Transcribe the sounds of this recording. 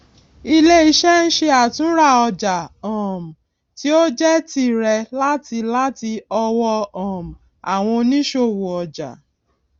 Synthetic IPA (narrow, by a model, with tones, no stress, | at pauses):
i˦˧le˦i˧ʃɛ˦n̩˦ʃe˧a˨tũ˦ɾa˦˨ɔ˧d͡ʒa˨ɔ̃˨m̩˨ | ti˦o˦d͡ʒɛ˦ti˧ɾɛ˧la˦ti˧la˦ti˧ɔ˧wɔ˧ɔ̃˨m˨ | a˨w̃ɔ̃˧nĩ˦ʃo˧wu˨ɔ˧d͡ʒa̰˨